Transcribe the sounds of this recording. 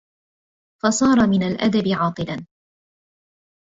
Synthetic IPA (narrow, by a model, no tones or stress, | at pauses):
fɑsˤɑːɾˤɑmɪnalʔa̰d̪abɪʕɑːt̪ˤɨlan